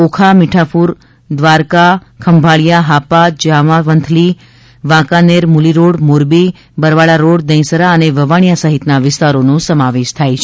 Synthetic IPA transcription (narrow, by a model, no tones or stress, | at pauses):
okʰamiʈʰapuɾ | d̪ʋaɾka | kʰəmbʱaɭijaɦapad͡ʒaʋãʋənt̪ʰli | ʋãkaneɾmuliɾoɽmoɾbi | bəɾʋaɭaɾoɽd̪ə̃j̃səɾaəneʋəʋaɳ̃ijasəɦɪt̪naʋɪst̪aɾonõsəmaʋeʃt̪ʰajt͡ʃʰe